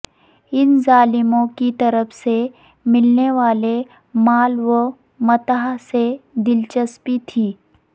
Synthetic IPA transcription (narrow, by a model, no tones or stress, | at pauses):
ɪnzaːlɪmõkit̪ɐɾəfʰse | mɪlneʋaːle | maːlʋə | mɐt̪aɦsed̪ɪlt͡ʃəspit̪ʰiː